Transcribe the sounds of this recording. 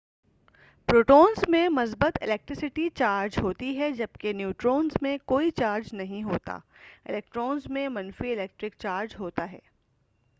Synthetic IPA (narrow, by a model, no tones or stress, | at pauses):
pɾoːʈoːnzmẽmɐs̬bət̪ɪ̰lɛːk̚ʈɾɪsɪʈit͡ʃaːɾd͡ʒɦoːt̪iɦɛd͡ʒɐb̚kenjuːʈɾoːnzmẽkoːit͡ʃaːɾd͡ʒnɐɦĩɦoːt̪a̰ːɪ̰lɛːk̚ʈɾoːnzmẽmɐnfiɪlɛːk̚ʈɾɪkt͡ʃaːɾd͡ʒɦoːt̪aɦɛ̰ː